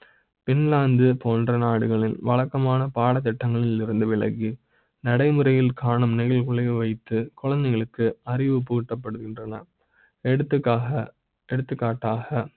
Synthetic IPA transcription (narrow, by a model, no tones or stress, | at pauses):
pɪnlaːnd̪ɯpoːndrɐnaːɽɯɣɐɭɪlʋɐɭɐkːɐmaːnɐpaːɽɐt̪ːɪʈːɐŋɡɐɭɪlɪɾɯnd̪ɯʋɪɭɐ̰ɣi | nɐɽɐɪmɯrɐjɪlkaːɳɯmnɪɣɐlkʊɭɐjɐʋɐɪt̪ːɯkʊɻɐnd̪ɐɪɣɐɭɯkːɯɐrɪʋɯpʊɣɪʈːɐp̬ːɐɽɯɣɪndrɐnɐ | ɛɽɯt̪ːɯkːaːɣɐ | ɛɽɯt̪ːɯkːaːʈːaːɣɐ